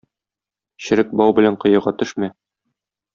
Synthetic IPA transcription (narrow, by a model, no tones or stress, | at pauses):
ɕɘ̆ɾɘk̚bɒwbɘ̆læɴqɤ̆jɤ̆ɾʁɑt̪ɵ̆ʃmæ